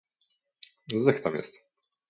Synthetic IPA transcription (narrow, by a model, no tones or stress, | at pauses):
zɛxt̪amjɛ̰st̪